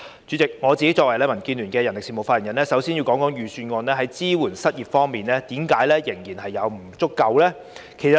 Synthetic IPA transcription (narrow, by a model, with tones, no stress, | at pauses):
t͡ʃyː˨˥t͡sɪ˨k̚ŋɔː˨˧t͡siː˨ke˦˥jt͡ʃɔ˧wɐ˨˩jlɛː˥mɐ˨˩nkiː˧nlyː˨˩nkɛː˧jɐ˨˩nlɪ˨ksiː˨˩mo˨˩wfaː˧ji˨˩njɐ˨˩nlɛː˥sɐ˨˥wsiː˥nji˧wkɔː˨˥ŋkɔː˨˥ŋjyː˨syː˧nŋɔː˧nlɛː˥hɐ˨˥jt͡siː˥wuː˨˩nsɐ˥t̚jiː˨t̚fɔː˥ŋmiː˨˩nlɛː˥t̪iː˨˥mkaː˨˥jlɛː˥jɪ˨˩ŋjiː˨˩nɦɐ˨jːɐ˨˧wm̩˨˩t͡sʊ˥kːɐ˧wlɛː˥ | kʰsɐ˨˩